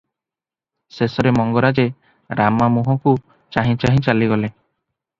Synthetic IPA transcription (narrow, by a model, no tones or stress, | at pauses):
sesɔɾemɔŋɡɔɾad͡ʒe | ɾamamuɦɔku | t͡ʃaɦĩt͡ʃaɦĩt͡ʃaliɡɔle